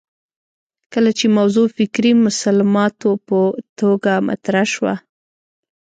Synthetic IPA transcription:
kəlat͡ʃemawzofɪkɾimʊsalamɑt̪opət̪oɡama̰t̪ɾaʃwa̰

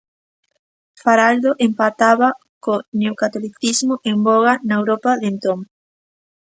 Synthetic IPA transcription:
faɾald̪oʔempat̪aβɐ | koneokat̪oliθizmʊʔemboɣanɐewɾopaðent̪oŋ

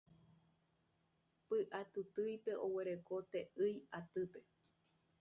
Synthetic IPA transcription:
pɨʔat̪ɨt̪ɨjpe̞ʔoweɾe̞kot̪eʔɨjat̪ɨpe̞

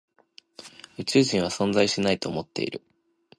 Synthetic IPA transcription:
ɯ̟t͡ɕɨːɕĩɰ̃βasõ̞nd͡zaiɕinait̪o̞ːmo̞t̪ːe̞̰ḭɾɯ̟

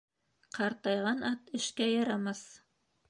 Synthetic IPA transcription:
qʰɑɾt̪ɑjʁɑnʔɑt̪ɘ̆ʃkæjɑɾɑmɑs

